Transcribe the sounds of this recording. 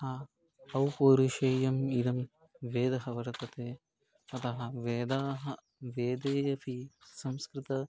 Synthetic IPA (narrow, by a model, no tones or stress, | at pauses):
a | ɐwpoːɾuʃɐjɐmid̪ɐm | ʋeːd̪ɐɦɐʋɐɾɐt̪ɐt̪eː | ɐt̪ɐɦɐʋeːd̪aːɦɐ | ʋeːd̪eːjɐpisɐmskɾɪt̪ɐ